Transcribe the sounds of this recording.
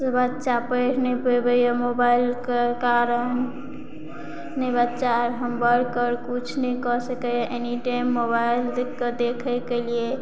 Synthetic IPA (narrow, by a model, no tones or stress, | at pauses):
sebətːt͡ʃapəjʈʰnepebəjamobailkekaɾən | nebətːʃaɾɦəmbəɽkəɾkut͡ʃʰnəkɔsəkəjaʔeniʈajmːobaild̪kəd̪ekʰɛkelie